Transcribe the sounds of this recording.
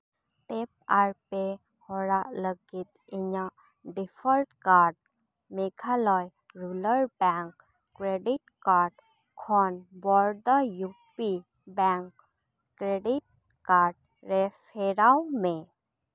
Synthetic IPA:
ʈep̚aɾpe | hɔɾaʔləɡit̪ | iɲa | ɖifʰəɾʈkaɾɖ̚ | meɡʰalɔj | ɾuləɾbɛŋkː | ɾeɖiʈkaɾɖ | kʰɔnbɔɾd̪ajupi | bɛ̃ŋk | kɾeɖiʈ̚ | kaɾɖ̚ | ɾefʰeɾawmẽ

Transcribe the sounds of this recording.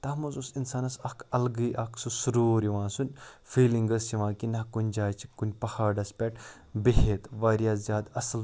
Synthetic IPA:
t̪ɐmɐzusinsaːnɐsɐkʰɐlɡɨʔɐkʰsusuɾuːɾiʋãːnsunʲ | fiːliŋɡɐsiʋãːkinɐkunʲd͡ʒaːt͡ʃʰi̥kːunʲpɐhaːɖɐspʲɛʈ | beɦet̪ʋaːɾjaːzʲjaːd̪ɐsl

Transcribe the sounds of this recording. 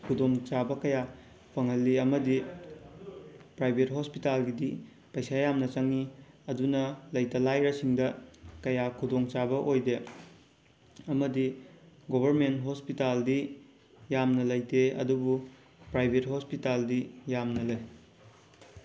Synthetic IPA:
kʰudoŋt͡ʃabɐkɐja | pʰɐŋɦɐlːiɐmɐdi | pɾajbʱet̚ɦospitalɡidi | pɐjsajamnɐt͡ʃɐŋi | ɐdunɐlɐjtɐlajɾɐsiŋdɐkɐjakʰudoŋt͡ʃabɐʔojde | ɐmɐdiɡobʱɐɾmentɦospitaldi | jamnɐlɐjteɐ̰dubu | pɾajbʱethospitaldijamnɐlɐj

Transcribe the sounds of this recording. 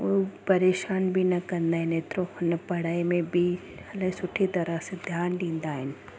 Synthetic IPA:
opɐɾeːʃaːnbʱinɐkɐ̃nd̪aːɦɛneːt̪ɾonɐpɐɽaːimẽbʱi | ɐlɐsʊʈʰit̪ɐɾased̪ʱjaːnɖĩːnd̪aːɦɛn

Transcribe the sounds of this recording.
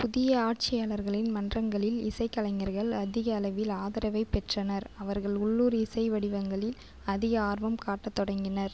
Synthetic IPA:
pʊðɪjɐaːʈ̚t͡ʃɪjaːɭɐɾɣɐɭɪnmɐndrɐŋɡɐɭɪlɪsɐɪkːɐlɐŋɐɾɣɐɭɐðɪɣɐːlɐʋɪlaːðɐɾɐʋɐɪpɛʈrɐnɐɾɐʋɐɾɣɐɭʊɭːuːɾɪsɐɪʋɐɽɪʋɐŋɡɐɭɪl | ɐðɪɣɐaːɾʋɐmkaːʈːɐt̪ːɔɽɐŋɡɪnɐɾ

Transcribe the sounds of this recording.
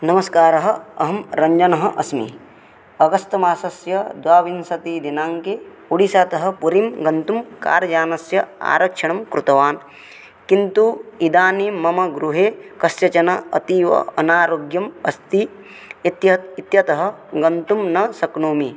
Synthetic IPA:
nɐmɐskaːɾɐɦɐɐɦɐmɾɐɲd͡ʒɐnɐɦɐʔɐsmḭ | ɐɡɐst̪ɐmaːsɐsjɐd̪waːʋinsɐt̪iːd̪inaːŋke | uɽisaːt̪ɐɦɐ̆puɾimɡɐnt̪umka̰ːɾɐd͡ʒaːnɐsjɐa̰ːɾɐkʂɐɳɐmkɾut̪ɐʋaːn | kint̪uid̪aːnimɐmɐɡɾuɦeːkɐsjɐt͡ʃɐnɐɐ̰t̪iːʋɐ̰ɐnaːɾoːɡjɐmɐst̪i | it̪jɐit̪jɐt̪ɐɦɐɡɐnt̪umnɐsɐknoːmi

